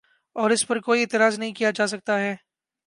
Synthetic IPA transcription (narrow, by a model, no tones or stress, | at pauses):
ɔːɾɪspɐɾkoːieːt̪ɪɾaːznɐɦĩkijad͡ʒaːs̬ɐk̚t̪aɦɛː